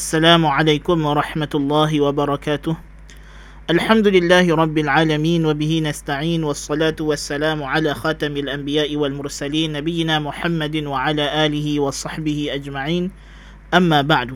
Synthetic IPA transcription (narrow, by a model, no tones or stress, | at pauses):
ʔʔasːalaːmʊʕalajkʊmwɑɾˤɑħmat̪ʊlˤːɑːɦɪwabɑɾˤɑkaːt̪ʊh | ʔalħamd̪ʊlɪlːaːhɪɾˤɑbːɪlʕaːlamiːnwabɪhinast̪aʕiːnwɑsˤːɑlaːt̪ʊwasːalaːmʊʕalaːxaːt̪amɪlʔambɪjaːʔɪwalmʊɾsaliːnːabɪjːɪnaːmʊħamːad̪waʕalaːʔaːlɪhɪwɑsˤɑħbɪhɪʔad͡ʒmaʕiːn | ʔamːaːbaʕd̪